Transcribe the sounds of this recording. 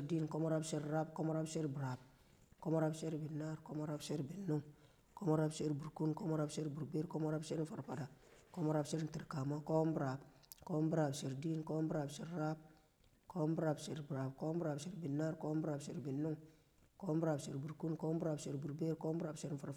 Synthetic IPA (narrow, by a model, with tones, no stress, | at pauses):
ɾdi˦nko˦mo˦ɾa˦bse˦ɾɾa˦b̚ko˦mo˦ɾa˦bse˦ɾbu˨ɾa˨b̚ | ko˦mo˦ɾa˦bse˦ɾbi˨nːa˦ɾko˦mo˦ɾa˦bse˦ɾbi˨nːu˦ŋ | ko˦mo˦ɾa˦bse˦ɾbu˨ɾku˦nko˦mo˦ɾa˦bse˦ɾbu˨ɾbe˦ɾko˦mo˦ɾa˦bse˦ɾ̩˨fa˨ɾpa˨da˨ko˦mo˦ɾa˦bse˦ɾn˨ti˨ɾka˨ma˦ko˦mbɾa˨b | ko˦mbu˦ɾa˨bsi˨ɾdi˦nko˦mbu˦ɾa˨bsi˨ɾɾa˦b̚ | ko˦mbu˦ɾa˨bse˨ɾbu˨ɾa˨bko˦mbɾaː˨bse˦ɾbi˨nːa˦ɾko˦mbɾa˨bse˦ɾbi˨nːu˦ŋ | ko˦mbu˦ɾa˨bse˨ɾbu˨ɾku˦nko˦mbɾa˨bse˦ɾbu˨ɾbe˦ɾko˦m˦bu˦ɾa˨bse˦ɾn̩˨fa˨ɾ